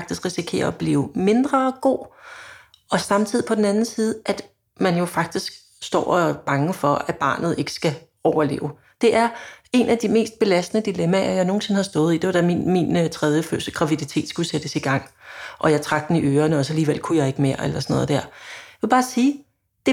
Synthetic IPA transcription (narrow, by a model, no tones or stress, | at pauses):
ɡ̥d̥isɡ̥ʁisikʰe̝̰ːɐɒ̽b̥lḭːʊme̝nd̥ʁɐɡ̥o̝̰ː | ɒ̽sɑ̈mt͡sʰið̰ˠipʰɒ̽den̩ænn̩siːð̞̩ˠʔæd̥ | mænjo̝fɑ̈ɡ̥̚d̥isɡ̥ | sd̥ɒ̰ːɒb̥ɑ̈ŋəfɒ̽æ̥b̥ɑ̰̈ːnð̞̩ˠe̝ɡ̥ə̥sɡ̥æ | ɒʊɐle̝̰ːʊ | d̥e̝ʔæɐe̝næd̥ime̝̰ːsd̥̚b̥e̝læsd̥nəd̥ilemææjɑ̈ɪno̝ːn̩se̝nhɑ̈sd̥ɔ̽ːð̞̩ˠid̥e̝ʋɑ̈ɾ̥æminmint͡sʰʁɛðˠjəfø̰səɡ̥ʁɑ̈ʋidit͡sʰe̝̰ːd̥sɡ̥used̥əsiɡ̥ɑ̈ŋ̰ʔɒ̽jɑ̈ɪt͡sʰʁɑ̈ɡ̥̚d̥eniøːɐnəɒ̽sæliːʋel̰kʰujɑ̈ɪe̝ɡ̥əmeɐ̰elɐsɒ̽nɔ̽ːð̞ˠd̥æ̰ɐ̰jʋe̝b̥ɑ̈ːsiː | d̥e̝